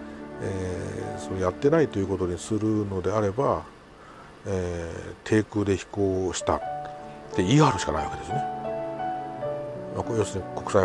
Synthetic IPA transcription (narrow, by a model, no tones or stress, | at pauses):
esoːjat̪ːe̞nait̪o̞jɯ̟ko̞t̪oɲ̟isɨɾɯ̟no̞d̪e̞aɾe̞ba | et̪ʰe̞ːkɯ̟ːd̪e̞çi̥ko̞ːɕi̥t̪a̰ | t̪eiaːɾɯ̟ɕi̥ka̰na̰iβa̰ke̞d̪e̞sɨne | makojo̞sɨɲiko̞kɯ̥sa